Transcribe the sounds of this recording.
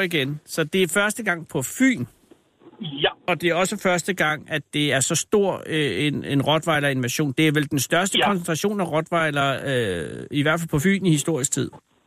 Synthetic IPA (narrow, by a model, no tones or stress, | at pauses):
iɡ̥ensɒ̽d̥e̝æɐfɶɐsd̥əɡ̥ɑ̈ŋ̰pʰɒ̽fy̰ːn | ɒ̽d̥e̝æɒ̽səfɶɐsd̥əɡ̥ɑ̈ŋ̰æd̥e̝æɐsɒ̽sd̥o̝ɐ̰enenʁɒ̽d̥ʋɑ̈ɪlɐenmæɕo̝̰ːnd̥e̝æɐʋeld̥ensd̥ɶɐsd̥əkʰɒ̽ns̬ent͡sʰʁɑɕo̝̰ːnæʁɒ̽d̥ʋɑ̈ɪlɐː | iʋæɐfæl̰pʰɒ̽fy̰ːnihisd̥o̝ɐ̰is̚t͡sʰið̞̰ˠ